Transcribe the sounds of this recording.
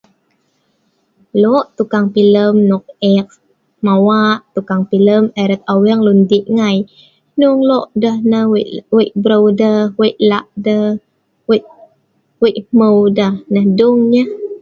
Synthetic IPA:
lɔʔt̪ukaŋpiləmnɔk̚ɛk̚ | mawaʔt̪ukaŋpiləməɾət̪̚awɛŋlundiʔŋaj | nuŋlɔʔdəhnəwwiʔ̚bɾowdəweʔlaʔdə | weʔ̚ | wiʔməwdəhnəhduŋɲəh

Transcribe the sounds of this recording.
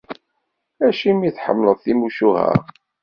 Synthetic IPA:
æʃimiθħə̰mːləðˤθimuʃuɦæ̰ɾ

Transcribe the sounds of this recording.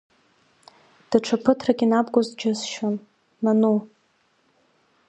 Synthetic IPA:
d̥aʈ͡ʂʷʰapʰɨtʰraɡʲinabɡʷozdd͡ʒasʃonː | anu

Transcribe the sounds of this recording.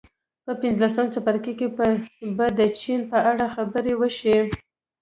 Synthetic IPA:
pəpɪnzlasəmt͡sapaɾkikepəbad̪ət͡ʃinpəʔaɽaxabəɾewəʃi

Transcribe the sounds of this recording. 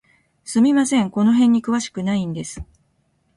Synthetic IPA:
sɨmʲimasẽ̞ŋko̞no̞ɦẽ̞ɲ̟ːikɯ̟βaɕi̥kɯ̟naĩnd̪e̞sɨ̥

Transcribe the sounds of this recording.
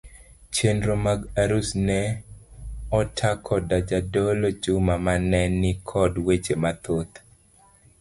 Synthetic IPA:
t͡ʃendɾomaɡaɾusnɛ | ɔtʰakʰɔdad͡ʒadɔlod͡ʒʊmamanɛnːɪkʰɔdwed͡ʒemat̪ot̪

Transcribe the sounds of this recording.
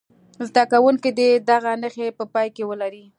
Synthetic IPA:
zd̪akawunked̪ed̪aɣanəxepəpɑjkewəlaɾi

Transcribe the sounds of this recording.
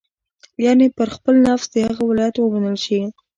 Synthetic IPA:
jɑnepəɾxpəlnafzd̪əhaɣawɪlɑjat̪wəmanəlʃi

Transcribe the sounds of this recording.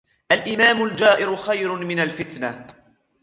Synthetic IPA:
ʔalʔɪmaːmʊld͡ʒaːʔɪɾʊxajɾʊmɪnalfɪt̪na

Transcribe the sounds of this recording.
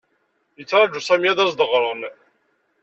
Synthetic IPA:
jət͡sːɾˤɑd͡ʒusˤæmjæðæzd̪əʁɾˤən

